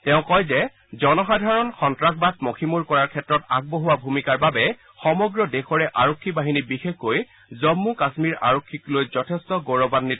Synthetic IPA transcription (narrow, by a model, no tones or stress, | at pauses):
tɛʊ̃kɔjzɛ | zɔnɔxadʱaɹɔnxɔntɹakʰbatmokʰimuɹkɔɹaɹkʰɛtɹɔtaɡ̚boɦuwabʱumikaɹbabɛ | xɔmɔɡɹɔdexɔɹɛʔaɹokʰːibaɦinibixexːoj | zɔmːukasmiɹa̰ɹokʰːiklojzɔtʰɛstɔɡoɹɔbanːi